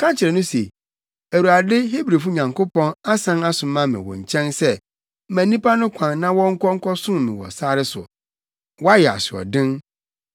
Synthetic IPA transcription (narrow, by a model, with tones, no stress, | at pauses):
kʰã˦t͡ɕʰɪ˨ɾɛ˨nʊ̃˦se˨ | æ˨wu˨ɾa˨dɪ˦ɦe˦bɾe˨fu˦ɲã˨ŋkʰo˦pɔ̃˦na˦sã˦na˦sʊ̃˨mã˦mɪ̰̃˨wɔ̰̃˨ɲ̩˨t͡ɕʰɛ̃˦nsɛ˦ | mæ̃˨nĩ˦pʰa˦nʊ̃˦kʷʰã˨n˦nã˦wɔ̃˦ŋ̩˦kʰɔ˦ŋ̩˦kʰɔ˦sʊ̃˦m˨mĩ˨wɔ̰˨saː˦ɾɪ˦sʊ̰˨ | wɔ˦a˦jɛ˨a̰˨sɪ˨ɔ̰˨dɪ̃˦n